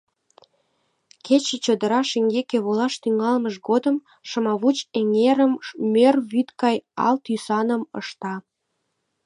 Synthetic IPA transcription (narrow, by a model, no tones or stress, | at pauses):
kʰet͡ɕĕt͡ɕod̪ə̆ɾɑʃeŋɡekeβolɑʃt̪yŋɑlməʃɡod̪ə̆m | ʃə̆mɑβut͡ɕeŋeɾəmmørβyt̪kɑjɑ̰lt̪ysɑnə̆mə̰ʃt̪ɑ